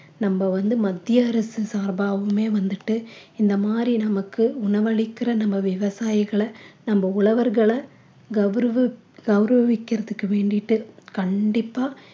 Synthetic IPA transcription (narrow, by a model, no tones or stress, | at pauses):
nɐmbɐʋɐnd̪ɯmɐd̪ːjɪjɐɾɐsɯsaːɾbaːʋɯmeːʋɐnd̪ɯʈːɯɪnd̪ɐmaːd̪ɾinɐmɐkːɯʊɳɐʋɐɭɪkːɪrɐnɐmbɐʋɪʋɐsaːjɪɣɐɭɐnɐmbɐʊɭɐʋɐɾɣɐɭɐ | ɡɐʋɾɐʋɯ | ɡɐʋɾɐʋɪkːɪɾɐðɯkːɯʋeːɳɖɪʈːɯkɐɳɖɪpːaː